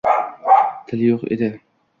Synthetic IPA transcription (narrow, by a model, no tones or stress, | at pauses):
t̪ʰɪljoqḛd̪ɪ